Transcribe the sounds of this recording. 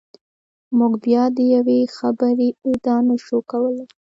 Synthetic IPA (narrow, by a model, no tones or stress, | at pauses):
muɡbjɑd̪əjawexabəɾeud̪ɑnaʃokawəl